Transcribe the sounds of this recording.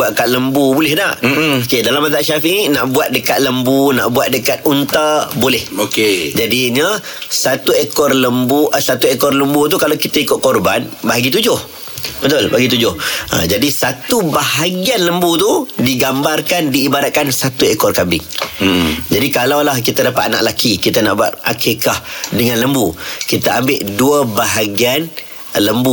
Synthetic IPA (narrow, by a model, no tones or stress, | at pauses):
buaəkat̪̚ləmbubulɛhna̰ʔokedalamːat̪aʔʃafiʔinaʔbuat̪̚dəkat̪̚ləmbuna̰ʔbuat̪̚dəkat̪̚unt̪əbolɛhoked͡ʒadiɲəsat̪uekɔrləmbuʔəsat̪uekɔrləmbut̪̬ukalawkit̪əikʊt̪̚kɔrbanbaɦaɡit̪ud͡ʒʊh | bət̪ʊlbaɡit̪̬ud͡ʒʊha̰d͡ʒadisat̪ubahaɡianləmbut̪udiɡambarkandiːbaɾat̪̚kansat̪uekɔrkabɪ̰ŋ | d͡ʒadikalawlahkit̪adapat̪̚ana̰ʔlakikit̪anaʔba̰t̪̚a̰kʰikahdəŋãnləmbukit̪əambɪʔduəbaɦaɡian | ləmbu